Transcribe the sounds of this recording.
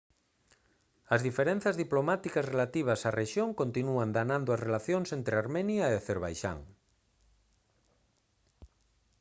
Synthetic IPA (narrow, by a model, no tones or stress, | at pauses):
ɐzðifeɾen̟θazðiplomat̪ikasrelat̪iβ̞ɐsareʃjoŋkont̪inuand̪anãnd̪ʊasrelaθjoŋsent̪ɾeaɾmenjaeaθeɾβ̞a̰jʃa̰ŋ